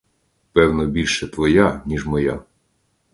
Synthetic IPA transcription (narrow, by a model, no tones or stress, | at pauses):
pɛwnɔbʲilʲʃɛt̪ʋɔjanʲiʒmɔja̰